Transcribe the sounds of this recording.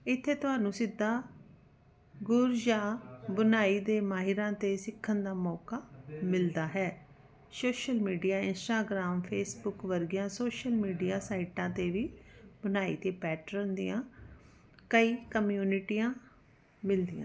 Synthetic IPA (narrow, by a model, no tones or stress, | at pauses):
ɪt̪ʰːeːt̪ʊɦaːnũːsɪd̪ːaː | ɡʊɾd͡ʒaːbənaːiːd̪eːmaːɦɪɾãːt̪eːsɪkʰːənd̪aːmɔːkaːmɪld̪aːɦɛː | soːʃəlmiːɖijaːɪnsʈaːɡɾaːmpʰeːsbʊkʋəɾɡɪjãːsoːʃəlmiːɖijaːsaːiʈãːt̪eːʋiːbənaːḭːt̪eːpɛːʈɾənd̪ɪjãː | kəiːkəmjuːnɪʈiːãː | mɪld̪ɪjã̰ː